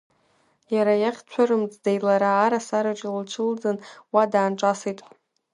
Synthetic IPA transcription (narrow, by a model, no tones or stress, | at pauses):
jaɾajaχʲt͡ɕʷʰarɨmt͡sʼdejlaɾaːɾasaɾɨt͡ʃʼlt͡ʃʷʰɨld͡zɨnwadaːnʈ͡ʂʼasijtʼ